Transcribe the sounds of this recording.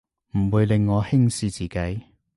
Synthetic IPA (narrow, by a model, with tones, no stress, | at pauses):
m̩˨˩wuː˨˧jlɪ˨˧ŋːɔː˨˧hɪ˥ŋsiː˨˧t͡siː˨ke˨˥j